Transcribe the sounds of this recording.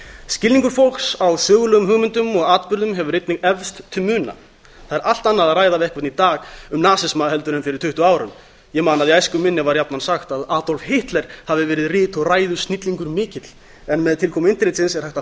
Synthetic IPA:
scɪlniŋkʏɾfol̥ksawsœːɣʏlœːɣʏmɦʏɣmʏnt̪ʏmɔɣaːt̪pʏɾðʏmɦɛvʏɾrɪjt̪nɪɣɛvst̪t̪ʰʏmʏːna̰ | θaðɛɾʔal̥t̪anːaðaðraːjðavɪɛhkvaht̪nit̪aːɣʏmnaːsɪsmahɛlt̪ʏɾʏmfɪɾɪɾ̥t̪ʰʏht̪ʏaːwɾʏm | jɛmaːnaðiajskʏmɪnːɪvaɾjapnansaxt̪aðaːt̪ɔlfhɪht̪lɛɾ̥havðɪvɛːɾɪðrɪːt̪ɔɣraːjðʏst̪nit̪liŋkʏɾmɪːcɪt̪l̥ | ɛnmɛðt̪ʰɪlkʰɔːmɪnt̪ɪɾɪːt̪sɪnsɛɾ̥hajht̪a

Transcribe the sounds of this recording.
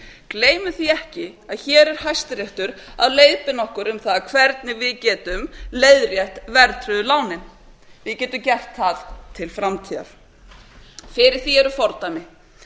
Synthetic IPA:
kleːjmʏθiɛhcɪaðçɛːɾɛɾ̥hajst̪ɾjɛht̪ʏɾa̰ðleːjðpɪnɔhkʏɾʏmθaðkʰvɛɾt̪nɪvɪðcɛːt̪ʏmlejðɾjɛht̪vɛɾt̪ʰɾʏðʏlaːwnɪn | vɪðcɛːt̪ʏmcɛr̥t̪ʰːaðt̪ʰɪlfɾamt̪ʰiːða̰ɾ | fɪɾɪɾ̥θiɛɾʏfɔɾt̪amɪ

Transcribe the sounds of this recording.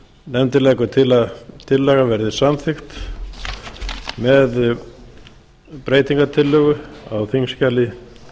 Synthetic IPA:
nɛmt̪ɪlɛjkʏt̪ʰɪlaðt̪ʰɪlːɛɣavɛɾðɪsamθɪxt̪ | mɛð | pɾeːjt̪iŋkat̪ʰɪlːœɣʏawθiŋscalːɪ

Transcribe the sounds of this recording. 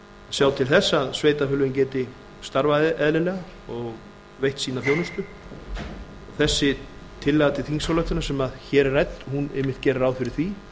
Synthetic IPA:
sjaːwt̪ʰɪlθɛsːaaðsveːjt̪afʏːlʏvɪncɛːt̪ɪ | st̪aɾvaðɪʔɛðlɪlɛːɣa | ɔɣ | vejht̪siːnaθjoːwnʏst̪ʏ | ɔɣθɛsːɪt̪ʰɪlːaɣt̪ɪθiŋsawlœht̪ʏɾnḁsɛmaðçɛːɾrɛjt̪nhunḛːjmɪht̪cɛːɾaɾaːwðfɪɾɪɾ̥θvi

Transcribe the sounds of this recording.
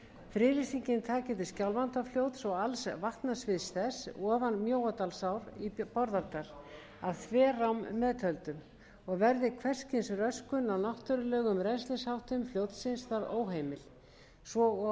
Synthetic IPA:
fɾɪːɾisiɲcɪnt̪ʰaːcɪt̪ɪscawlvant̪afljowt̪sɔɣalsvaht̪nasvɪðsθɛsɔːvanmjoːwat̪alsawɾipɔɾðaɾt̪aɾ̥ | aðθʰvɛːrawmːɛðt̪ʰœlt̪ʏm | ɔɣvɛɾðɪkʰvɛr̥scɪnsrœskʏnawnaht̪ʏɾʏlɛːɣʏmɾɛnslɪshawht̪ʏmfljoːwt̪sɪnsθaɾo̰ːwɦeːjmɪl | svɔ

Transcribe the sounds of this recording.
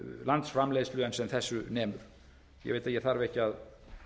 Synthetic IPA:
lant̪sfɾamleːjsflʏːðɛnsɛmθɛsːʏnɛːmʏɾ̥ | jɛ̰veːjt̪aðjɛɾθaɾvɪɛhcːɪað

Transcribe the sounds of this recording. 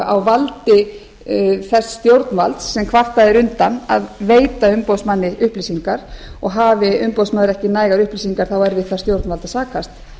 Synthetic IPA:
a̰wvalt̪ɪ | θɛsst̪jowɾt̪nva̰lt̪sːɛmkʰvar̥t̪aðɪɾʏnt̪ana̰ðveːjt̪aʏmpowsmanːɪʔʏhplisiŋkaɾ̥ɔɣɦaːvɪʏmpowsmaðɪɾɛhcɪnaːjɣaɾʏhplisiŋkaɾ̥θawɛɾvɪðθast̪jowɾt̪nvalt̪aðsaːkʰast̪

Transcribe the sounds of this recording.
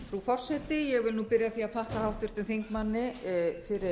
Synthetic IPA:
fɾufɔr̥sɛt̪ɪjɛɣvɪlnupɪɾjaθiːaðfaht̪ahawht̪ʏɾ̥t̪ɪlθijŋkmanːɪfɪɾɪ

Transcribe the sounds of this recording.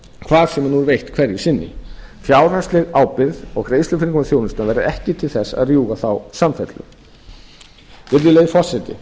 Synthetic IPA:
kʰv̥aːɾ̥sɛmnuɾvejht̪kʰvɛɾjɪsɪnːɪ̰fjaːwrast̪lɪɣaːwpɪɾðɔɣɾejslʏfɪɾiŋkanθjowlɪnst̪anvɛjɾðɪɛhcɪt̪ʰɪlθɛsːa̰ðrjuːɣaθawsamfɛt̪lʏ̰ | vɪɾðɪlejðɪfɔ̥sɛt̪ɪ̰

